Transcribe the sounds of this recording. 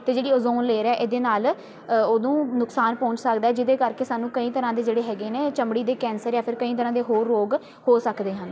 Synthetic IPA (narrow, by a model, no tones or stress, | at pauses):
t̪eːd͡ʒeːɽiːoːzoːnleːɾɛːʔeːd̪eːnaːl | oːd̪õːnʊksaːnpɔ̃ːɲt͡ʃsəkd̪aːɛːd͡ʒɪd̪eːkəɾkeːsaːnũːkəĩːt̪əɾãːd̪eːd͡ʒeːɽeːɦɛːɡeːneːt͡ʃəmɽiːd̪eːkɛ̃ːnsəɾjaːpʰɪɾkəĩːt̪̬əɾãːd̪eːɦoːɾːoːɡ | hoːsəkd̪eːɦə̃ː